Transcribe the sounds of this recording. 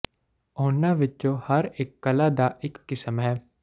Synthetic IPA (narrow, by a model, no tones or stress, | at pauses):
oːɳːãːʋɪt͡ʃõːhəɾɪkːəlaːd̪aːʔɪkːɪsəmɦɛː